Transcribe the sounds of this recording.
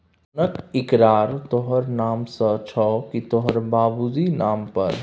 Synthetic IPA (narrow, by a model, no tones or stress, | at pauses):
nəkɪkɾaːɾt̪oɦəɾnaːmsət͡ʃʰɔkit̪oɦəɾbaːbuzinaːmpɐɾ